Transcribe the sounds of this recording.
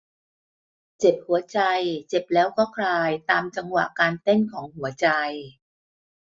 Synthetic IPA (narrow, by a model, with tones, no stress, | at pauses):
t͡ɕe˨˩p̚hu˨˩˦ɐt͡ɕa˧jt͡ɕe˨˩p̚lɛː˦˥wkʰɔː˥˩kʰlaː˧jt̪aː˧mt͡ɕa˧ŋwa̰˨˩ʔkaː˧nt̪e˥˩nkʰɔː˩˦ŋhu˩˦ɐt͡ɕa˧j